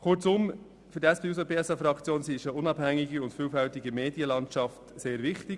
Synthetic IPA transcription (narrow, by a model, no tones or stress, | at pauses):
kʊɾt͡sʊm | fʏɾdɛsb̥eus̬opeːɛsɑfɾɑkt͡sjoːnsiɪʃəʊnɑb̥hæŋɪɡiʊntfyːlfɛltɪɡəmeːdjəlɑntt͡ʃɑftseːɾvɪχtɪ